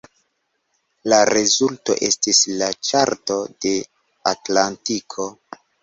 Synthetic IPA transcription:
laɾezulto̞̰ʔe̞stislat͡ʃaɾto̞de̞ | atlantikʰo̞

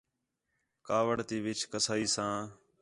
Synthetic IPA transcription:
kaːʋəɳt̪iːʋɪt͡ʃkəsaːiːsãː

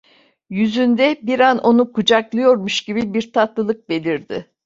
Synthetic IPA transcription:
jyzynd̪ɛbiɾanʔo̞nukʰud͡ʒaklˠɯjo̞ɾmuʃɟibibiɾt̪ʰat̪lˠɯlˠɯk̚be̞lʲiɾd̪ɪ

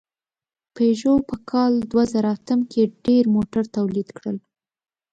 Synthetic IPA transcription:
peʒopəkʰɑld̪wazəɾaat̪əmkʰeɖeɾmoʈaɾt̪awlid̪kɽəl

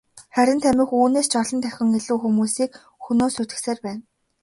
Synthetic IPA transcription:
χæɾʲɪ̆nt̪ʰæmʲɪ̆xuːneːst͡ɕɔɮɞ̆nt̪ʰæxʲɪ̆ŋiɮuːxumuːsiːk | xunoːsut̪ɘ̆kseːrpæːn

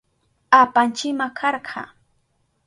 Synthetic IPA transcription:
apant͡ʃɪmakʰɑɾɢʰɑ̰

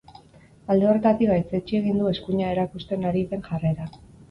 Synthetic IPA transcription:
ald̪e̞o̞re̞t̪at̪iβajt͡se̞t͡ʃie̞ɣ̞ind̪ue̞skuɲae̞ɾakust̪e̞naɾit͡se̞ŋʝare̞ɾa

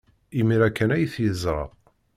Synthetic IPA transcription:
imiɾækːænæjθjəzɾˤə̰ʁ

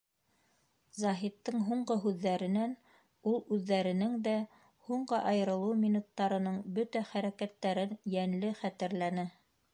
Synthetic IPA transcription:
zɑɦit̪ːɤŋɦuɴɢɤɦʉðːæɾɘ̆næn | ulˠʉðːæɾɘ̆nɘŋd̪æ | huɴɢɤʔɑjɤ̆ɾɤ̆lˠɤmʲinut̪ːɑɾɤ̆nɤɴbɵt̪æχæɾækæt̪ːæɾɘnjænlɘχæt̪ɘ̆ɾlænɘ

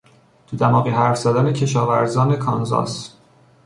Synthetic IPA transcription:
t̪ʰud̪æmɒːɣiːɦæɾfz̥æd̪æne̞cʰe̞ʃɒːvæɾzɒːne̞kʰɒnzɒ̰ːs

